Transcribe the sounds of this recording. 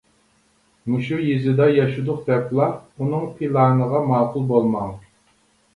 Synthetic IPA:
muʃujizɪd̪ɑjɑʃud̪ʊqd̪ɛplˠɑunɨŋpʰilˠɑnəʁɑmɑːqʊlˠbolˠmɑŋ

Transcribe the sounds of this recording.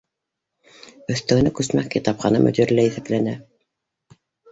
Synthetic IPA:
ɵ̆θt̪ɵ̆ɡɘ̆nækʉsmækkit̪ɑpχɑnɤ̰mʔɵ̰̆d̪iɾlæiθæplænæ

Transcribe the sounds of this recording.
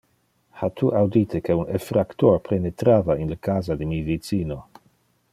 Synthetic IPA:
hat̪ʰuʔawd̪it̪ekʰeunefɾakt̪oɾpʰenet̪ɾaːvainləkaːzad̪emivit͡siːno

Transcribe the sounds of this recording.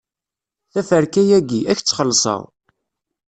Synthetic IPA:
θæfəɾkæjæɡiʔæçt͡sːχəlːsˤə̰ðˤ

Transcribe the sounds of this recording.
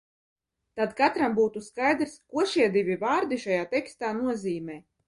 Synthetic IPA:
t̪ad̪kat̪ɾambuːt̪uskajd̪ɾskuɔʃiɛd̪ivʲivaːɾd̪iʃajaːt̪ɛkst̪aːnuɔziːmɛː

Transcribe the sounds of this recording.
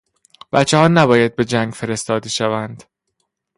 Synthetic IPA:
b̥æt̪t͡ʃːehɒːnæbɒːjæd̪̚be̞d͡ʒæŋɡfe̞ɾe̞st̪ɒːd̪eʃævænd̪̥

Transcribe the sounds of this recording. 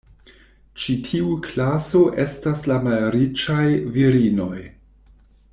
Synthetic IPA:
t͡ʃitʰiukʰlaso̞ʔe̞staslamalɾit͡ʃajviɾino̞j

